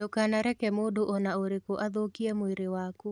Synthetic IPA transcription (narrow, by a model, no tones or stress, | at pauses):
okanaɾɛkɛmodoʔɔnaoɾekoʔaðokiɛmweɾewaku